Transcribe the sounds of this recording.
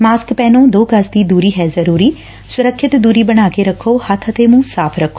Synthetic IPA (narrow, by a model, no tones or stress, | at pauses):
maːskpɛːnõːd̪oːkəsd̪iːd̪uːɾiːɦɛːzəɾuːɾiː | sʊɾəkʰːɪt̪d̪uːɾiːbəɽ̃aːkeɾəkʰːoːhət̪ʰət̪eːmũsaːpʰɾəkʰːo̥ː